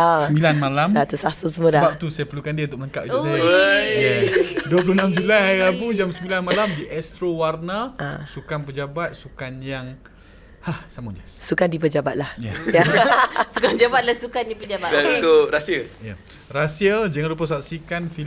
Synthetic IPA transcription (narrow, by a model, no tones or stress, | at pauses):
aəmbilanmalamat̪usasusəmõdəabap̚t̪usajapərlukandiũnt̪ʊk̚əəŋkaʔ̚isajjaduəpuluhnamd͡ʒulajjabud͡ʒamsəmbilanmalamdiʔɛst̪ɾowarnaa̰sukanpəd͡ʒabat̪̚sukanjaŋ | hahsamud͡ʒasukandipəd͡ʒabat̪̚lahjaasukand͡ʒabat̪̚lasukandipəd͡ʒabat̪at̪oɾasiəja | rasiəd͡ʒaŋanlup̬əsak̚sikanfi